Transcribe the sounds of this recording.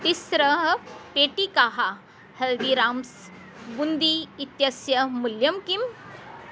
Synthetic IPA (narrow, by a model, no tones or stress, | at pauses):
t̪isɾəɦpeʈikaɦa | held̪iɾams | bund̪iːt̪jəsjəmuljəmkim